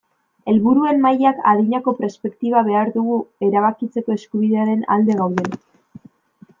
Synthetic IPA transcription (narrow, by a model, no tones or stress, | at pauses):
e̞lβuɾue̞nːajaka̰ðiɲako̞pɾe̞spe̞kt̪iβ̞aβ̞e̞aɾðuɣ̞ue̞ɾaβ̞akit͡se̞ko̞e̞skuβiðe̞aɾe̞na̰ld̪e̞ɣawðe̞na